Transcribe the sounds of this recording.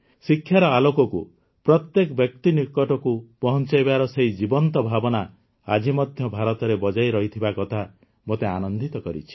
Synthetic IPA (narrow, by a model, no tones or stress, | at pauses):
sikʰːjaɾɔalokɔkṵ | pɾɔt̪jekɔbjɔk̚t̪inikɔʈɔkupɔɦɔnt͡ʃajbaɾɔseɦjd͡ʒibɔnt̪ɔbʱabɔna | a̰d͡ʒimɔd̪ʱjɔbʱaɾɔt̪ɔɾebɔd͡ʒajɾɔɦit̪ʰibakɔt̪ʰa | mot̪eanɔnd̪ʱit̪ɔkɔɾḭt͡ʃʰi̥